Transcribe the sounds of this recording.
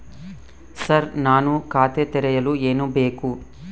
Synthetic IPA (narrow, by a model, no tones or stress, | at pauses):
sɐɾnaːnukaːt̪et̪ɛɾɐjɐlueːnubeːku